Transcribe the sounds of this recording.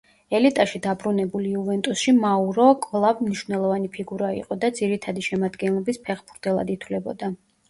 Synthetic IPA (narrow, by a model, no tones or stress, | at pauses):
ɛlit̪ʼaʃid̪abɾunɛbuliuvɛnt̪ʼusʃimauɾɔkʼvlˠavmniʃvnɛlˠɔvanipʰiɡuɾaḭqʼɔd̪ad̪ziɾit̪ʰad̪iʃɛmad̪ɡɛnlˠɔbispʰɛχbuɾt̪ʰʼɛlˠa̰d̪it̪ʰwvlɛbɔ̰d̪a